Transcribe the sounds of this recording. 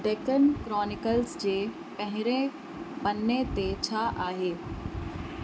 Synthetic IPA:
ɖekənkɾɔːnɪkəlsd͡ʑeː | pɐ̃ɦɪɾẽ | bɐnːet̪et͡ɕʰaʔaːɦeː

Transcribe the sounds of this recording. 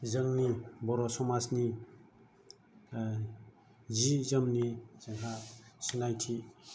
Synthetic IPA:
zəŋnibɔɾɔsɔmasni | zizəmniz̥aŋɦasinajtʰi

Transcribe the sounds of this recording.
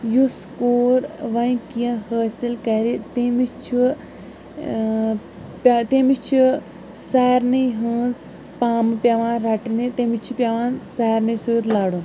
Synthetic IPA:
juskoːɾʋɐjkijɐ̃həːsilkɐɾit̪emit͡ʃʰu | pʲt̪emit͡ʃʰu | saːɾnɨjɦɨ̃ːz | paːmɨpʲaʋãːnɾɐʈinit̪emit͡ʃʰupʲjaʋãːnsaːɾnɨsɨːɾlaːɽu

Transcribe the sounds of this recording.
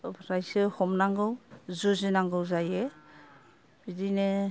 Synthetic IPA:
ɾajsɯhɔmnaŋɡɯwzuzinaŋɡɯwzaje | b̥idine

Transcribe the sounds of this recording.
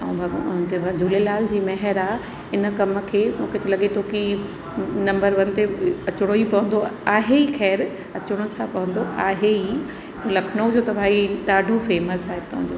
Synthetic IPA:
ɛ̰̃bʱɐ̃bʱad͡ʑʱuːlelaːld͡ʑiːmɐɦɛɾaːɦ | ɪnə̆kɐmə̆kʰeːmũːkʰet̪elɐɠet̪ʰoːki | nɐ̃mbəɾʋɐnɪ̆t̪eɐt͡ɕʊɽ̃oipɐʋə̃nd̪oaːɦeixʰɛːɾ | ɐt͡ɕʊɽ̃ot͡ɕʰapɐʋə̃nd̪oʔaːɦei | t̪ʰolɐkʰñod͡ʑoːt̪ɐbʱaːiɗaːɖʱofeːməsaːɦet̪ʊɦə̃ɲd͡ʑoː

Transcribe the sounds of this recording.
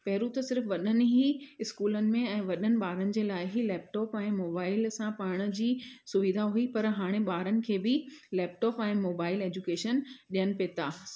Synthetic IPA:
pɛɦɾut̪ɐsɪɾfʋɐɗənɪ̆ɦiɪskuːlənɪ̆mẽɛ̃ːʋɐɗənɪ̆ɓaːɾənɪ̆d͡ʑeːlaːɪɦilɛːpʈɔːpɛ̃ːmoːbaːɪlsãpaːɽ̃ə̆d͡ʑiːsʊʋid̪ʱaɦuipɐɾɦaːɽ̃eɓaːɾənɪ̆kʰeːbɪlɛːp̚ʈɔːpɛ̃ːmoːbaːɪleːd͡ʑukeːʃənɗijənɪ̆peːt̪aː

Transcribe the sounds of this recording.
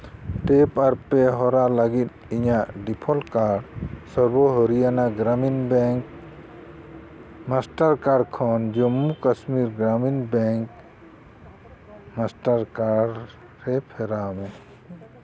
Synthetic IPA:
ʈepɐɾpeɦɔɾaləɡit̪̚ | iɲaɖipʰɔlkaɖsəɾboɦoɾijanaɡɾaminbɛŋk | masʈəɾkaɖkʰɔnd͡ʒomːukəsmiɾɡɾaminbɛŋk | masʈəɾkaɖ | ɾɛpʰɛɾamɛ̃

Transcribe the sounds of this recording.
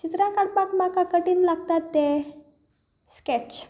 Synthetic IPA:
t͡ʃit̪ɾakaɽpakmakakəʈinlak̚t̪at̪ːɛ | skɛt͡ʃ

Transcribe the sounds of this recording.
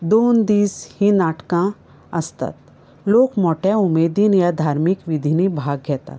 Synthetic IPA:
d̪oːnd̪iːshĩnaːʈkã | ɐst̪ə̰t̪ | loːkmɔːʈɛumeːd̪injad̪ʱaːɾmikʋid̪ʱinibʱaːɡɛt̪a̰

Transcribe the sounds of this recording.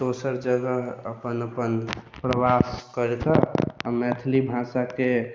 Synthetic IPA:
d̪̥osəɾd͡ʒəɡəəpənəpənpɾəwaskəɾet̪əamɛt̪ʰlibʱãsake

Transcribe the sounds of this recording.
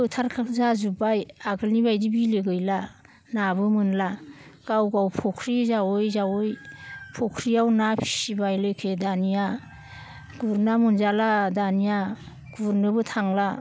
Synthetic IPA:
ɯtʰaɾkʰakzazubajaɡɯlnibajdibileɡɯjla | nabɯmɯnlaɡ̥awɡawpʰɔkʰɾizawojzawojpʰɔkʰɾijawnapʰi̥sibajlɯkʰedanija | ɡ̥uɾnamunzaladanija | ɡ̥uɾnɯbɯtʰaŋla

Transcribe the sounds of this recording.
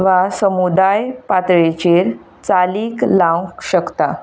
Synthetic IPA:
ʋasəmud̪ajpat̪ɾet͡ɕeɾ | t͡saliːklãwkɕəkt̪a

